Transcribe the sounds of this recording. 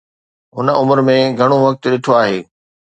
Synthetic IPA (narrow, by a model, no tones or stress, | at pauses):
ɦʊnəʊməɾmẽɡʱɐɽ̃oʋɐk̚t̪̆ɗɪʈʰoaːɦeː